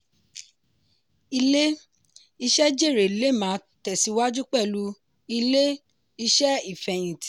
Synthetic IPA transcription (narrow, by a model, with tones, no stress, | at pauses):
i˧le˦ | i˧ʃɛ˦d͡ʒe˦˨ɾe˨le˨˦mãː˨˦tɛ˨si˨˧˦wa˦d͡ʒu˦k͡pɛ˦˨lu˦ | i˧le˦ | i˧ʃɛ˦i˦˨fɛ˨j̃ĩ˨t